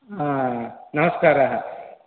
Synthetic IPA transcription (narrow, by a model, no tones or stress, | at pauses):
ɦãːɦanɐməskaːɾaɦə